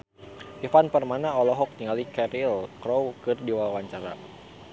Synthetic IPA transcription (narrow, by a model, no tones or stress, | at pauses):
ʔifanpərmanaɔlɔɦɔk̚t̪iŋalikɛɾilkɾɔwkɨrdiwawaɲt͡ʃaɾa̰